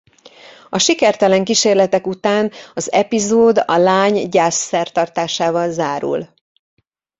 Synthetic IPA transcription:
ɒʃikɛrt̪ɛlɛŋkiʃeːrlɛt̪ɛkut̪aːnɒzɛpizoːd̪ɒ̰laːɲɟaːsːɛrt̪ɒrt̪aːʃaːvɒlzaːɾṵl

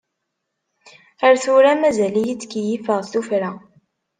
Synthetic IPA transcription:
əɾθʊɾæmæzælijit͡sːkjifəʁθufɾæ

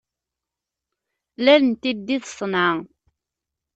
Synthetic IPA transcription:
lælənt̪ːid̪ːiðsˤnɑ

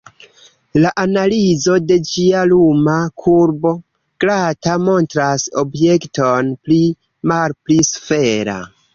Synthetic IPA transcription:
laʔanalizo̞de̞d͡ʒialumakʰuɾbo̞ | ɡ̥ɾatamo̞ntɾaso̞̰bje̞kto̞npli | malplisfe̞ɾa̰

